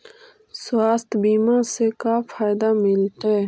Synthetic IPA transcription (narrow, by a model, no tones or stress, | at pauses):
swaːst̪biːmãːsekafʰaːjd̪aːmɪlt̪e